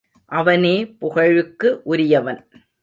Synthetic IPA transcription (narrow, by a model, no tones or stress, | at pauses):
ʔɐʋɐneːpʊɣɐɻɯkːɯʔʊɾɪjɐʋɐn